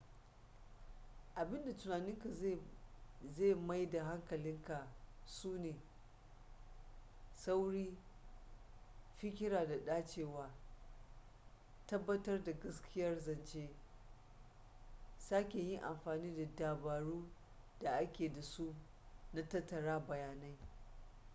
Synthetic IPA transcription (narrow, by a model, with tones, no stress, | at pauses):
ʔa˨bɪ˦nda˨tʊ˨naː˨nɪ˦ŋka˨˦ | ze˦˨ma˦jda˨ɦa˦ŋkɐ˨lɪ˦ŋka˨suː˦neː˨ | sa˦wɽiː˦ | ɸɪ˦kʲɪ˦ɽaː˨da˨ɗaː˦t͡ʃeː˨waː˦ | tɐ˦bːɐ˦tɐ˦rda˨ɡɐ˦skʲɪ˦jɐ˦rzɐ˨nt͡ʃeː˦ | saː˦kʲe˨jɪ˦ŋʔa̰˨mɸaː˨niː˦da˨daː˨baː˨ɽuː˦ | d̥a˨ʔa˦kʲeː˨da˨su˦ | na˦tɐ˦tːɐ˨ɽaː˦bɐ˨jaː˨na˦j